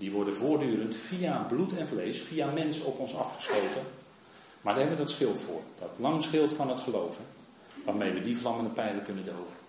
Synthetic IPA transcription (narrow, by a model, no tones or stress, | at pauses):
diʋɔɹdənvʊːrdyːɾəntfiablutʰɛnvlejsfijamɛnsəɔpɔnsɑfχə̥slowtən | madəɦɛbəʋədɔtsχɪlˠtfʊːrd̥ɔtlɑŋsχɪlˠtfɑnɦətχəlowvən | ʋaːrmejʋədivlɑməndəpɛjləkɵnəndowvən